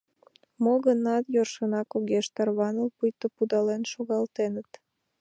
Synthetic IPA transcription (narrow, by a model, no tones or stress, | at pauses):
moɣənɑt̪jorʃənɑkoɣeʃt̪ɑrβɑnəlpujt̪opud̪ɑlenʃoɣɑlt̪enət̪